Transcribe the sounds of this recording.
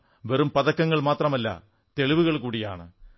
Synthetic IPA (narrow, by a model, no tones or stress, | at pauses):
ʋerumpɐðɐkːɐŋːɐɭmaːt̪rɐmɐlːɐ̰ | t̪e̞ɭiʋuɣɐɭkuːɽija̰ːɳɨ̰